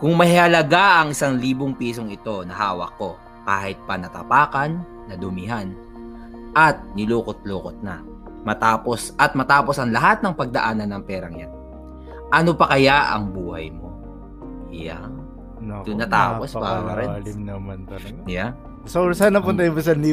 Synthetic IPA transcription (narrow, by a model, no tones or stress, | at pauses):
kʊŋmɐhɪhɐlɐɡaʔɐŋɪsaŋliːboŋpiːso̞ŋɪt̪o̞nɐɦaːwɐ̰kːo̞ | kaːhɪt̪̚pɐnɐt̪ɐ̰paːkɐnː | ɐd̪ʊmɪɦan | ʔɐt̪̚nɪluːkot̪̚loːkot̪̚nɐ̰ | mɐt̪aːpo̞sɐt̪̚mɐt̪aːpo̞sɐŋlɐɦat̪̚nɐŋpɐɡ̚d̪ɐʔaːnɐnːɐŋpɛːɾɐŋja̰n | ʔɐnopɐkɐjaʔɐ̰ŋbuːhɐ̰jmo̞ | ja̰ŋ | ʊnːɐt̪a̰ːposba̰ːmɐɾɛmnɐmɐnt̪ɐ | ja | sosaːnɐpʊnt̪ɐjʊmbɐs̬ɐnli